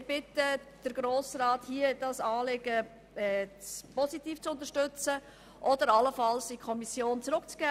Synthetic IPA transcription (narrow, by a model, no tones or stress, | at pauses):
ɾb̥ɪtəd̥əɾɡɾoːsɾaːthiəd̥ɑsɑːlɪɡə | ɛpɔsitiːft͡sʊnt̪əɾʃtʏt͡sə | ʔɔdəɾɑləfɑlsikʰɔmisjoːnt͡sɾʊkt͡sɡ̥ɛː